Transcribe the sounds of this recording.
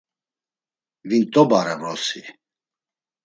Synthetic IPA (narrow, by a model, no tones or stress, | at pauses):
vint̪ʼɔbaɾɛvɾɔsi